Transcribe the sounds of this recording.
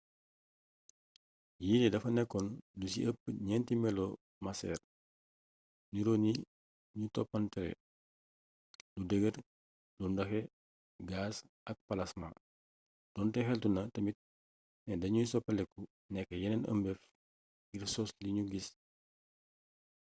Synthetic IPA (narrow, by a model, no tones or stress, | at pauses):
jiːlidɐfɐnɛkːɔndusḭʔəpːɲɛntimɛlɔ | mɐsɛ̰ːr | niɾoni | ɲutɔpːɐntɛɾɛ̰ | ludəɡər | lundɐxɛ | ɡaːs | ʔɐk̚pɐlɐsma̰ | d̥ɔntɛxɛltunɐtɐmit̚ | nɛdɐɲusɔpːɐlɛkːu | nɛkːəjɛnɛnʔə̰mbɛf | ɡirsɔsliɲuɡis